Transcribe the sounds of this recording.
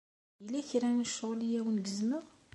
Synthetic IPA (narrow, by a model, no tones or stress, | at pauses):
jəlæçɾænəʃːəʁlijæwnɡəzməʁ